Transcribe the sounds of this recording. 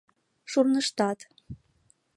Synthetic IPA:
ʃurnɤ̆ʃt̪ɑt̪

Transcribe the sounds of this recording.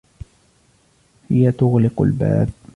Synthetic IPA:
hɪjat̪ʊɣlɪqa̰lba̰ːb̚

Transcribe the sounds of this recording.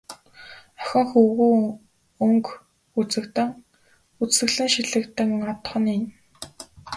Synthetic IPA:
œxʲɪ̆ɴxuɣuː | ɵŋk | ut͡sɘ̆kt̪̆ŋ | ut͡sɘ̆ɣɮɘ̆ŋʃiɮɘ̆kt̪ɘ̆ŋɔt̪̆χɞ̆nin

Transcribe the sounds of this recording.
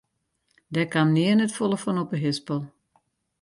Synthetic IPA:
dɛkamniənətfolˠəfɔnɔpəɦɪspəlˠ

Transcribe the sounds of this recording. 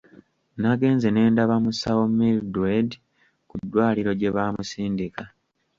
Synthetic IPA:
naɡe̞ːnzene̞ːndaβamusawomildwed | kudːwaːliɾo̞ɟe̞βaːmusiːndika

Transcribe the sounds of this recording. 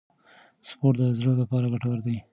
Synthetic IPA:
spoʈ̚d̪əzɽəlapɑɾaɡaʈawaɾd̪ai

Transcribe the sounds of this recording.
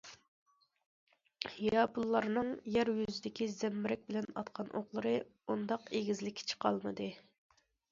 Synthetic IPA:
hijɑːbulˠːɑɾnɨŋjæɾjyzɪd̪ɪkʲizɛmːɾɛk̚ʲbɪlɛnɑt̪qʰɑnʔo̰ʁlˠɨɾɨund̪ɑqeɡʲizlɪkʲʰːi̥t͡ʃʰə̥qʰɑlˠmɨd̪ɨ

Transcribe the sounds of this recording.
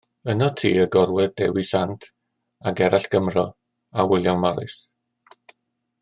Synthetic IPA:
ənɔtʰḭːəɡɔɾwɛd̥ɛwisantʰ | aɡɛɾʔaɬɡ̥əmrɔ | awɪlˠjawnmaɾɨ̰s

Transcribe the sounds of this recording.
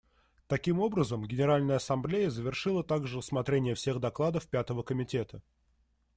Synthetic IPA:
t̪ɐkʲimo̞bɾəzəmɡʲɪnʲɪɾalʲnəjəɐsɐmblʲejəzəvʲɪrʂɨlˠət̪aɡʐɨrəsmɐt̪ɾʲenʲɪjəfsʲe̞ɣd̪ɐklˠad̪əfpʲat̪əvəkəmʲɪtʲe̞t̪ʰə

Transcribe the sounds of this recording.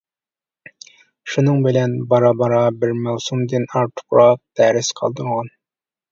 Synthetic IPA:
ʃunɨŋbɪlɛnbɑɾɑbɑɾɑbɪɾmæwsumd̪ɨnɑɾt̪ʰʊ̥qɾɑq̚d̪æɾɪsqʰɑ̰lˠd̪əɴʁɑn

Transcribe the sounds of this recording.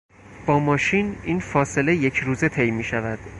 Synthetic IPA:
b̥ɒːmɒːʃiniːnfɒːse̞le̞je̞cʰɾuːze̞t̪ʰe̞jmiːʃævæd̪̥

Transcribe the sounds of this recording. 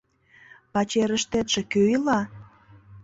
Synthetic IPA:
pɑt͡ɕeɾəʃt̪et̪ʃĕkøilɑ

